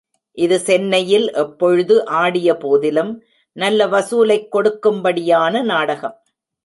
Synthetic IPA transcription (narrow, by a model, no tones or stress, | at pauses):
ʔɪðɯsɛnːɐjɪlʔɛpːɔɻɯðɯʔaːɽɪjɐpoːðɪlɯm | nɐlːɐʋɐsuːlɐɪkːɔɽɯkːɯmbɐɽɪjaːnɐnaːɽɐɣɐm